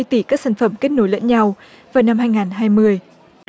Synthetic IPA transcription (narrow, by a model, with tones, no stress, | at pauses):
jt̪i˨˧˩kaː˦˥k̚saː˧˩nfə˧˩mke˦˥t̚no˧˨˦jlə̰˧˥nɲa˧w | vaː˨˩wna˧mhaː˧jŋaː˨˩nɦaː˧jmɨ˧əj